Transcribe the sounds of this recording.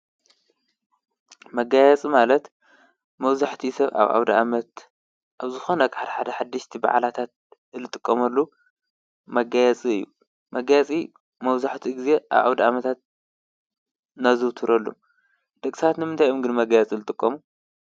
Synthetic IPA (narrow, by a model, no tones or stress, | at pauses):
mɐɡajɛt͡sʼimalɐt̪ | mɐβzaħt̪ʰisɐβa̰βʔa̰wd̪aamɐt̪ | ʔaβzɨxo̞nɐkʼaħd̪ɐħad̪ɐħad̪ːɨʃt̪ʰiba̰ʕlat̪ʰat̪̚ | ɨlɨt̪ʼɨkʼːɐmɐlːu | mɐɡajɛt͡sʼiɨjːu | mɐɡajɛt͡sʼi | mɐβzaħt̪ʰiɡize̞ʔa̰βa̰wd̪aamɐt̪ʰat̪̚ | nazɨwt̪ʰɨɾɐlːṵ | d̪̥ɐkʼsat̪nɨmɨnt̪ʰajomɡɨnmɐɡajɛt͡sʼilɨt̪ʼɨkʼːɐmu